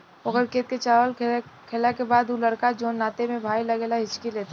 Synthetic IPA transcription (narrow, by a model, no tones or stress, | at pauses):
ʊɡəɾkeːt̪̚ket͡ʃaːʋəlkʰeːlakebaːd̪ʊləɾkad͡ʒoːnːaːt̪emẽbʱaːilɐɡeːlaɦɪt͡ʃkileːt̪ʰa